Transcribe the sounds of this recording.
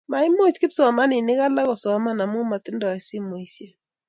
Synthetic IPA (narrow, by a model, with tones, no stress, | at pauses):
ma˨ɪ˦mo˦˨t͡ʃkɪ˦psɔ˨a˨ma˦nɪ˨nɪ˦ka˦la˦kɔ˨sɔ˨a˨ma˦na˨mu˦ma˨tɪ˦ndɔ˨ɛ˨sɪ˦mo˨i˨sje˦